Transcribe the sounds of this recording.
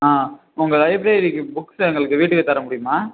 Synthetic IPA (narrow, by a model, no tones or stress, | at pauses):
aː | ʊŋɡɐɭɐɪbɾeːɾɪkːɯbʊkːsɛŋɡɐɭɯkːɯʋiːʈːɯkːɯt̪ɐɾɐmʊɽɪjɯmaː